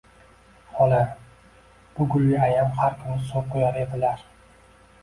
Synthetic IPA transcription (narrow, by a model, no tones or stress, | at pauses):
hɒlaɾ | b̥ʊɡʊlːʲɪajamhaɾkʲʰʊnɪsoɾqʰojaɾed̪ɪlaɾ